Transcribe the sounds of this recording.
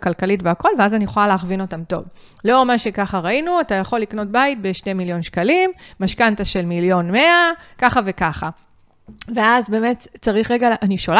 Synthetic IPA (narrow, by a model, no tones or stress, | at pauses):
kalkalitveako̞lveazanijeχolaleːχvino̞tamto̞̰v | lo̞maʃe̞kaχaʁainuatajaχo̞lːikno̞t̚bait̚be̞ʃnemiljo̞nʃkalimːaʃkantaʃelmiljo̞nme̞akaχavekaχa | ve̞azbe̞ːme̞tt͡saʁiχʁeɡaʔaniʃol